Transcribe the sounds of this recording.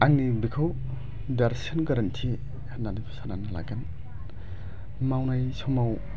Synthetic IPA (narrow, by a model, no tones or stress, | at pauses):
aŋnibikʰaw | daɾsinkaɾɐntʰi | hananipʰsananɯla̰ɡan | mawnajsɔmaw